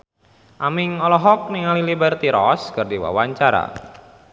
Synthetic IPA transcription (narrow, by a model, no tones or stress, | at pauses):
ʔamɪŋɔlɔɦɔk̚niŋalilibərt̪iɾɔskɨrdiwa̰waɲt͡ʃaɾa̰